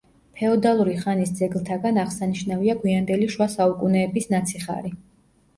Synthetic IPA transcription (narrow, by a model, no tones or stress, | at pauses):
pʰɛɔd̪alˠuɾiχanisd̪zɛɡlˠt̪ʰaɡanaʁsaniʃnaviaɡwiand̪ɛliʃwasaukʼunɛːbisnat̪sʰiχa̰ɾi